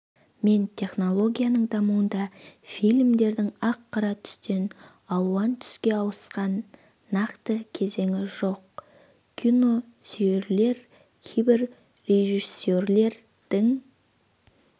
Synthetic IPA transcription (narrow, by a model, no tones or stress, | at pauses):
me̞nt̪ʲʰe̞χno̞lˠo̞ɡʲijanəɴd̪ɑmuənd̪ɑfijlʲmd̪e̞ɾd̪ɪŋɑqːɑɾɑt̪ʰʏ̥st̪e̞n | ɑlˠwɑnt̪ʰʏ̥skʲe̞ɑwəsqɑnː | ɑqt̪əkʲʰe̞ze̞ŋɪʒo̞q̚ | kʲʰino̞ | sijeɾle̞ɾ | kʲʰejbɪɾ | ɾe̞ʒise̞ɾle̞ɾ | d̪̥ɪŋ